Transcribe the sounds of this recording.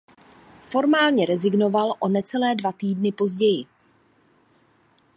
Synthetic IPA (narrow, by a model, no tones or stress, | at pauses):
fo̞ɾmaːlɲɛɾɛzɪɡno̞valʔo̞nɛt͡sɛlɛːdvat̪iːdnɪpo̞zɟɛjɪ